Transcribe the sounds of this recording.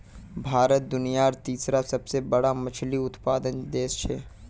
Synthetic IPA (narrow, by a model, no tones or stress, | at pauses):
bʱaːɾət̪̚d̪ʊnijaːɾt̪iːsɾasɐbsebɐɽamɐt͡ʃʰliʊt̪paːd̪ənd̪eːst͡ʃʰɛː